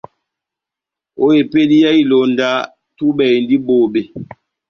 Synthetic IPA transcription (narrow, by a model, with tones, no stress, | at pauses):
o˦e˨pe˦di˦ja˦i˦lo˨n˨da˦ | tu˦ɓɛ˨n˦di˦bo˨be˨